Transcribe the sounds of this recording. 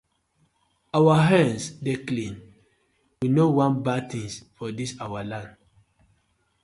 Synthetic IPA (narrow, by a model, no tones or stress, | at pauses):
awaɦãnsdeklĩn | winowãnbatĩŋsfɔdisawalãnd